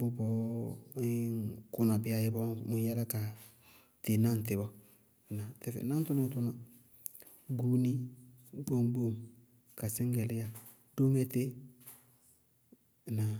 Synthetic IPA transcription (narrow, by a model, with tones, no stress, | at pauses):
bʊ˦bɔ˨˦ | kʊ˦na˨bɪ˦a˨jɪ˦bɔ˦mʊ˨ja˦la˦ka˨ | te˨na˦n˨t̬ɪ˨bɔ˦˨ | na˨tɪ˨fɛ̰˨na˦tʊ˦nɪ˦ŋ˦tʊ˦na˨ | ɡu˦ni˦bo˦mbo˦m | ka˨sɪ˦ŋɡɛ˨lɪ˦ja˨ | d̥o˦ŋɛ˦te˦˨ | na˨